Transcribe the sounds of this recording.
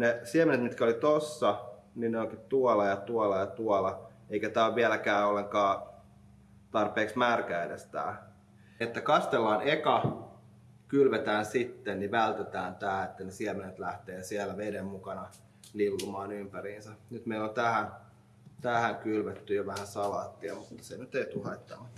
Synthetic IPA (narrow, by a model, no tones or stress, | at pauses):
nesiemenet̪mit̪kæolit̪osːɑ | ninneoŋkit̪uolɑjɑt̪uolɑjɑt̪uolɑ | eikæt̪æːʋʋielækæːolːeŋkɑː | t̪ɑrpeːksmæːrkæidest̪æ̰ː | et̪ːækɑst̪elːɑːnekɑ | kylʋet̪æːnsit̪ːenniʋælt̪et̪æːnt̪æːet̪ːænesiɛmenet̪læht̪eːsiɛlːˑæʋedemmukɑnɑ | lilːumɑːnympæɾiːnsænyt̪meilːont̪æhæn | t̪æhæŋkylʋet̪ːyjoʋæhæsɑlɑːt̪ːiɑmut̪ːɑ̥senyt̪eit̪uhɑit̪ːɑnɑ